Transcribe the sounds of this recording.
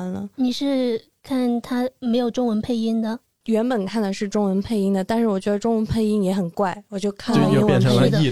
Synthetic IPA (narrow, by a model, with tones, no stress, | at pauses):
nlə˧ni˨˩ʂɻ̩˥˧ | kʰa˥˩nt̪ʰa˥me˧˥ɪjo˨˩ʊʈ͡ʂʊ˥ŋwə˧˥npʰe˥˩ɪi˥ŋd̪ə˨ | ɥɛ˧˥npə˨˩nkʰa˥˩nd̪ə˩ʂɻ̩˥˩ʈ͡ʂʊ˥ŋwə˧˥npʰe˥˧ɪi˥ŋd̪ə˨˩t̪a˥˧nʂɻ̩˥˩wɔ˨˩t͡ɕɥɛ˧˥d̪ə˧ʈ͡ʂʊ˥ŋwə˧˥npʰe˥˧ɪi˥ŋjɛ˧˥xə˨˩nkwa˥˩ɪwɔ˨˩t͡ɕjo˥˧ʊkʰa˥˩n˩˥˧ʈ͡ʂʰ